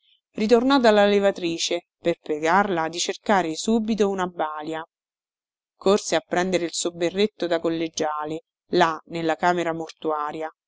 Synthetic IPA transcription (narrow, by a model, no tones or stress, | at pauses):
rit̪̬ornɔd̪alːalevat̪ɾiːt͡ʃe | perpɾeɡarlad̪it͡ʃerkaːɾesuːbit̪ounabaːlja | korseapːɾɛnd̪eɾeilsobːerːet̪ːod̪akolːed͡ʒaːle | lanelːakaːmeɾamort̪uaːɾja